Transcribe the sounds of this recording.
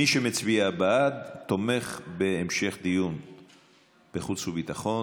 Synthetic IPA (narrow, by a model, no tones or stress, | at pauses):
iʃemet͡sbiabaadt̪o̞me̞χbeːmʃe̞χd̪ijun | b̥eχut͡shubit̪aχo̞